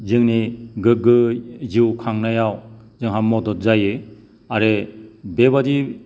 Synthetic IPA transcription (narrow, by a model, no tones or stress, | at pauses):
zɯŋniɡɯɡɯziwkʰaŋnajaw | zɯŋɦamːɔdɔt̚zajɯ | aɾebebadi